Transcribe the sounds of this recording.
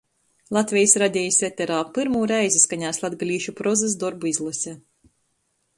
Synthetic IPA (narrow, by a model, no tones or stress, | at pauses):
lˠat̪ʲvʲɛjsɾad̪ʲɛːjisvʲɛt̪ʲɛɾaːpɨɾmuːɾɛjzʲiskaɲaːslˠad̪ɡalʲiːʃupɾɔzɨs̬d̪ɔɾbuizlˠɨsʲɛ